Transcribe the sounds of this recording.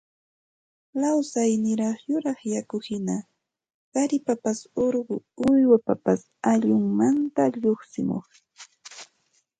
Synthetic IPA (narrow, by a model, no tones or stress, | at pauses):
lawsajnɪɾɑχjʊɾɑχjakʊhɪna | ɢ̥ɑɾɪpapasoɾɢʊʊjwapapas | aʎʊŋmant̪aʎoχsɪmo̰χ